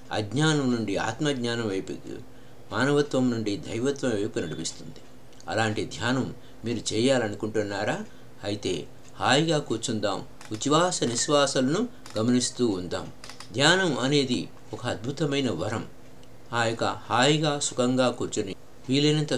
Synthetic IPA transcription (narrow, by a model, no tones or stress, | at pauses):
ɐ̰ɡɲaːnɐmnuɳɖia̰ːt̪mɐɡɲaːnɐmʋɐjpṵ | maːnɐʋɐt̪ʋɐmnuɳɖid̪ʱɐ̰jʋɐt̪ʋɐmɐjpunɐɽipist̪und̪i̥ | ɐ̰laːɳʈid̪ʱjaːnɐmː | iːɾut͡ʃɛːjaːlɐnukuɳʈunːaːɾaː | ɐjit̪e̞ː | haːjɡaːkuːɾt͡ʃund̪a̰ːm | ut͡ʃiʋaːsɐniʃʋaːsɐlɐnu | ɡɐmɐnist̪uːnd̪a̰ːm | d̪ʱjaːnɐmɐne̞ːd̪i | ɔkɐːd̪̚bʱut̪ɐmɐjnɐʋɐɾɐm | aːjokɐ̰haːjiɡaːsukɐŋɡaːkuːɾt͡ʃuni | ʋiːlɐnɐnt̪ɐ